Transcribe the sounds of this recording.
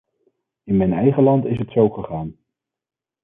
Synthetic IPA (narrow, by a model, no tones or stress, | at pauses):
ɪnmɛjnɛjχəlɑntɪsɦətsowχəχaːn